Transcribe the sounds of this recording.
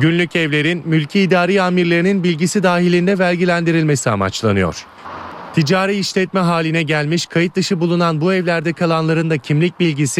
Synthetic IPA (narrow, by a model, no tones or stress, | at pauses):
ɟynlʲycʰɛvlʲe̞ɾinmylʲcʰiːd̪aːɾiːaːmiɾlʲe̞ɾininbilʲɟisid̪aːɦilʲind̪ɛvælʲɟilʲænd̪iɾilʲme̞sia̰ma̰t͡ʃlˠa̰nɯjo̞̰ɾ̝̥ | t̪ʰid͡ʒaːɾiiʃlʲɛt̪̚mɛɦaːlʲinɛɟælʲmiʃkʰajɯt̪̚d̪ɯʃɯbulˠunanbuɛvlʲæɾd̪ɛkʰalˠanlˠaɾɯnd̪acʰimlʲic̚bilʲɟisi